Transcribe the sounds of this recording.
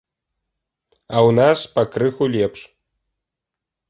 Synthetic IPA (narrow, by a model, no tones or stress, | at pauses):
awnaspɐkrɨxulʲɛpʂ